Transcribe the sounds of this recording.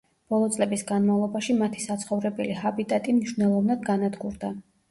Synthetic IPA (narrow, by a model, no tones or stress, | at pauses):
b̥ɔlˠɔt̪sʼlɛbisɡanmavlˠɔbaʃimat̪ʰi̥sat̪sʰχɔvɾɛbɛliɦabit̪ʼat̪ʼimniʃwnɛlˠɔvnad̪ɡanad̪ɡuɾd̪a